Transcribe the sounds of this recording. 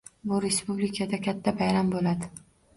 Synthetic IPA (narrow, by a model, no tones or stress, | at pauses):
bʊɾe̞spublɪkʰad̪akʲʰat̪ʰːabajɾambolad̪ɪ